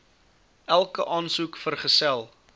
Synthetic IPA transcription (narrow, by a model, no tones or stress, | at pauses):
ʔælˠkəʔɑːnsukfərχəsælˠ